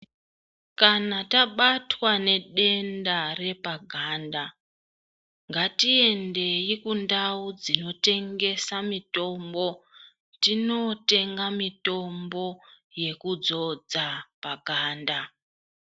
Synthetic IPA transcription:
kanataɓatwane̞ɗe̞ndare̞paɡʱaːnda | ŋɡatie̞nde̞jikundaud͡zino̞te̞ŋɡe̞samito̞mbo̞ | tino̞te̞ŋɡamito̞mbo̞ | je̞kud͡zo̞d͡zapaɡʱaːnda

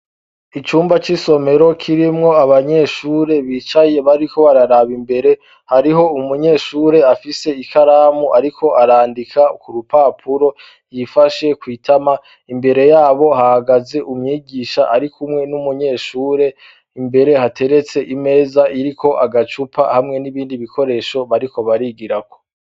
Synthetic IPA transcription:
it͡ʃuːmbat͡ʃiso̞me̞ɾo̞kʰiɾimŋo̞aβaɲe̞ʃuːɾe̞βiːt͡ʃaje̞βaɾiko̞βaɾaɾaβimbe̞ɾe̞ | haɾiɦo̞umuɲe̞ːʃuːɾe̞afise̞ikaɾaːmuʔaɾikʰo̞ʔaɾaːndikʰakuɾupapʰuɾo̞ | jifaʃe̞kwiːtʰama | imbe̞ɾe̞jaːβo̞hahaɡaze̞ʔumɲiːɡiːʃaʔaɾikʰumŋe̞numuɲe̞ːʃuːɾe̞ | imbe̞ɾe̞hate̞ɾe̞t͡se̞ʔime̞ːzaʔiɾikʰo̞ʔaɡat͡ʃupʰa̰hamŋe̞niβiːndiβikʰo̞ɾe̞ʃo̞βaɾiko̞βaɾiɡiɾako̞

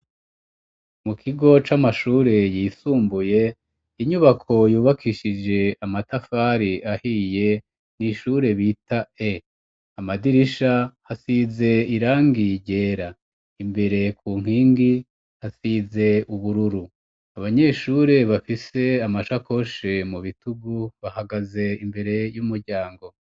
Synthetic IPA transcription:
mukʰiɡo̞t͡ʃamaʃuːɾe̞jiːsuːmbuje̞ | iɲuβakʰo̞juːβakʰiʃid͡ʒe̞amatafaɾiahije̞ | niʃuːɾe̞βiːtae | amadiɾiʃahasize̞iɾaːŋɡiɟe̞ːɾa | imbe̞ɾe̞kʰuːŋ̥iːŋɡi | hasize̞uβuɾuɾu | aβaɲe̞ʃuːɾe̞βafise̞amaʃako̞ʃe̞muβituɡuβahaɡaze̞imbe̞ɾe̞jumuɾɟaːŋɡo̞

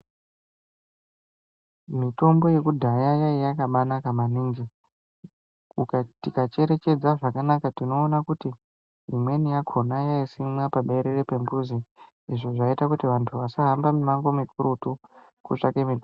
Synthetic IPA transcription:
mito̞mbo̞je̞kudʱajajaijakaɓanakamaniŋɡi | ukatikat͡ʃe̞ɾe̞t͡ʃe̞d͡zaʐakanakatino̞ːnakuti | imwe̞nijakʰo̞najaisimwapaɓe̞ɾerepe̞mbuzi | iʐoʐaitakutiʋantʰuʋasaɦambamumaŋɡo̞mipuɾutu | kuʂakemitu

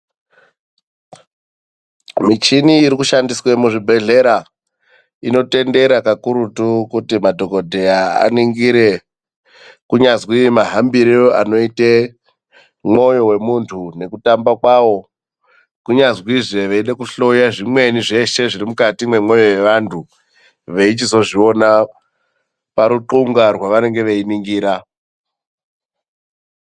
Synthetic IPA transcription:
mit͡ʃiniːɾikuʃandiswe̞muʐibʱe̞ɮe̞ɾa | ino̞te̞nde̞ɾakakuɾutukutimadʱo̞ko̞dʱe̞jaa̰niŋɡiɾe̞ | kuɲazwiimaɦambiɾioa̰no̞ite | mo̞jo̞we̞muntʰune̞kutambakwaʋo̞ | kuɲazwiʐe̞ʋeiɗekuɬo̞jaʐimwe̞niʐe̞ʃe̞ʐiɾimukatimwe̞mwo̞jo̞je̞ʋantʰu | ʋe̞it͡ʃizo̞ʐio̞na | paɾuǃuŋɡarwaʋane̞ŋɡe̞ʋeiniŋɡiːɾa

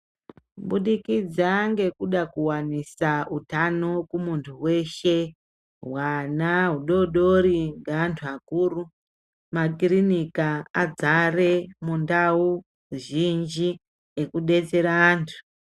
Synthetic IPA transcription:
ɓuɗikid͡zaŋɡe̞kuɗakuwanisautanokumuntʰuwe̞ʃe̞ | ɦwanaɦuɗo̞ɗoɾiŋɡaantʰuakuːru | makirinikaad͡zare̞mundau | ʒind͡ʒi | ekuɗe̞t͡se̞ɾaːntʰu̥

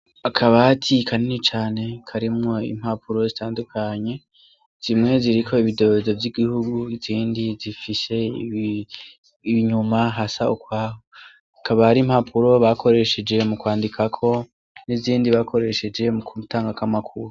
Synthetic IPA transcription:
akʰaβatʰikʰanenit͡ʃaːne̞kʰaɾimŋo̞ḭm̥hapʰuɾo̞zitʰaːndukʰaɲe̞ | z̥imŋe̞ziɾikʰo̞iβido̞zo̞vjiɡihuɡuiziːndizifise̞ | iβiɲumaɦasaukwaːho | akaβahaɾim̥hapʰuɾo̞βakʰo̞ɾe̞ʃe̞d͡ʒe̞mukwaːndikʰakʰo̞ | niziːndiβakʰo̞ɾe̞ʃe̞d͡ʒe̞mukʰuutʰaːŋɡakamakʰuɾu

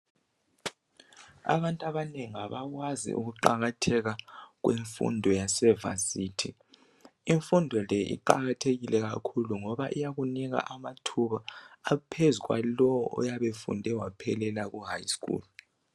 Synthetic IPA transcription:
a̰βantʼaβaneŋiaβaɣwazḭʔṵɣuǃaɣatʰɛɣaɣweɱfṵndʱɔjasɛva̰siːtʰi | iɱfundʱɔlɛʔḭǃaɣatʰeɣilɛɣakʰuluŋɔβaʔijaɣuniɣa̰ʔamatʰuβaːpʰezuɣwa̰lɔwɔʔɔ̰jaβefṵndʱɛwapʰɛlɛlaɣuɦajskṵːl

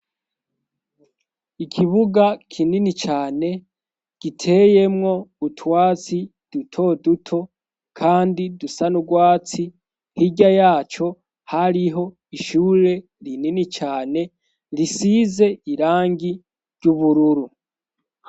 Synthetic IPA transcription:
ikʰiβuɡakʰininit͡ʃaːne̞ | ɡ̥itʰe̞je̞mŋo̞utʰwaːt͡si | d̥utʰo̞dutʰo̞ | kʰaːndidusanuɡwaːt͡si | hiɟajaːt͡ʃo̞ | haɾiɦo̞ | iʃuːɾe̞ | ɾininit͡ʃaːne̞ | ɾisize̞iɾaːŋɡi | ɾɟuβuɾuɾu

